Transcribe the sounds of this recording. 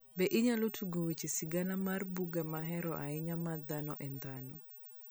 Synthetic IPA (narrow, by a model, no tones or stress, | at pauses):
bɛʔɪɲalotʰuɡowet͡ʃisɪɡanamarbuɡamaɦɛɾɔʔaɪɲamad̪anɔʔɛnd̪anɔ